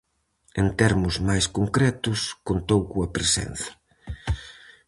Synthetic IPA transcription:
ent̪ɛɾmʊzmajskoŋkɾɛt̪ʊskont̪owkuɐpɾesɛ̰n̟θɐ̥

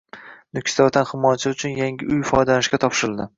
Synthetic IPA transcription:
nʊkʲɪ̥t̪ɒt̪ʰanhɪmɒjat͡ʃʰɪʊt͡ʃʰʊnjaŋɡʲɪʔʊjfɒjd̪lanɪʃɡʲat̪ʰɒpʃɪɾɪld̪ɪ

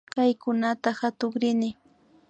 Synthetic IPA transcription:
kajkʊnat̪ahat̪ʊχɾɪnɪ

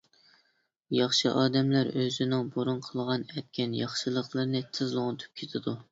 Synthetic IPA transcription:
jɑχʃɨʔɑːd̪ɛmlæɾøzɪnɪŋboɾunqʰəlˠʁɑnɛt̪̚kʲʰɛnjɑχʃɨlˠəqlˠɨɾnɨt̪ʰɨzlˠoʁnt̪ʰɨ̥p̚kʲʰet̪ʰɪd̪u

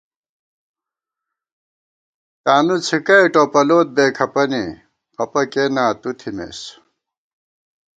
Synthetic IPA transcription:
t̪aːnut͡sʰikɐʈopɐloːt̪̚bekʰɐpʌni | ʌpɐkenaːt̪ut̪ʰimḛs

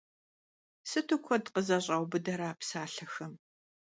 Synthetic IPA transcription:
sɨtʰukʷʰɔdqəzɐɕʼɐwbɨdɐɾaːpsaːɬɐxɐm

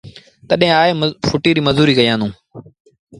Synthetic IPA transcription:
t̪əɗɦẽaːeːfʰʊʈiːɾiːməzuːɾiːkəjãːnd̪ũː

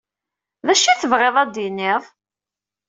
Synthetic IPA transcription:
ðæʃːiθəvʁeðˤæd̪inːɪðˤ

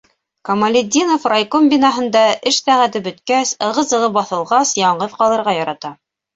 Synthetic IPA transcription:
kɐmɐlʲɪd̪ʲinofrajkombʲinɑɦɤ̆nd̪ɑʔɘʃsæʁæt̪ɘbɵ̆t̪kæsɤ̆ʁɤ̆zɤ̆ʁɤpbɑθɤ̆lˠʁɑsjɑɴɢɤðqɑlˠɤ̆ɾʁɑjɑɾɑt̪ɑ

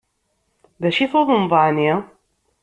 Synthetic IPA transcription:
ðæʃiθoðˤəmðˤɑʕni

